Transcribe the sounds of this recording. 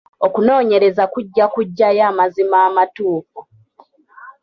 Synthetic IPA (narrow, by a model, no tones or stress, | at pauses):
o̞kuno̞ːɲe̞ɾe̞zakuɟːakuɟːajaːmazimaːmatuːfu